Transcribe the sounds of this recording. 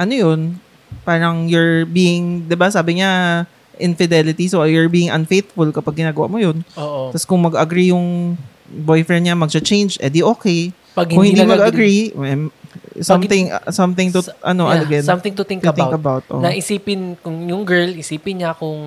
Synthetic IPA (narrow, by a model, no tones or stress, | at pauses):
ʔɐnojon | paːɾɐŋjʊɹbiːɪŋd̪ɪbasaːbɪɲa | ʔɪnfɪd̪ɛlɪt̪isojʊɹbiːɪŋʔɐnfejt̪fʊlkɐpaɡ̚ɡɪnaːɡɐwa̰ʔmojonoːʔot̪ɐskʊŋmɐɡɐɡɾijʊŋ | bojfɹɛnd̪ɲamɐɡ̚t͡ʃat͡ʃẽjnd͡ʒʔɛd̪iʔoːkɛj | pɐɡhkʊ̃ŋhɪnd̪mɐɡɐɡɾimɛmsɐmθɪŋsɐmθɪŋt̪ʊʔɐnoʔɐɐɡɛnsɐmt̪ɪŋʊt̪ɪŋk̪ɪŋkɐbawt̪̚ʔo̰nɐʔɪsiːpɪnkʊŋjʊŋɡɛɹlɪsiːpɪnɲakʊŋ